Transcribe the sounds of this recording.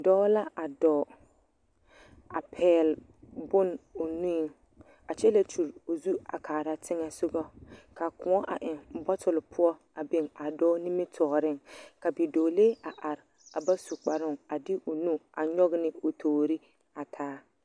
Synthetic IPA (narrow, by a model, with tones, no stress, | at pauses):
dɔː˦la˦ʔa˨dɔː˨ | a˨pʰɛː˨l | bʊ˦no˨nũ˦˨ | a˨t͡ʃɛ˦la˦t͡ʃu˨ɾo˨zu˦a˨kʰaː˨ɾa˦tʰɪ˦ŋa˦sʊ˦ɡɔ˦ka˨kʊ˨˦ɔ˦ʔa˨ʔɪ˨ŋbɔ˦tʰʊ˨lɪ˨pʰʊ˦ɔ˦ | a˨be˨ŋa˨dɔː˦ni˦me˦tʰɔː˨ɾɪ˦˨ŋka˨bi˨doː˨leː˦a˨ʔa˨ɾɪ˨ | a˨ba˦su˨k͡pa˨ɾʊ˦˨ŋa˨dɪ˦ʔo˨nũ˦a˨ɲɔ˦ɣnɪ˦o˨tʰoː˨ɾi˦ | a˨tʰaː˦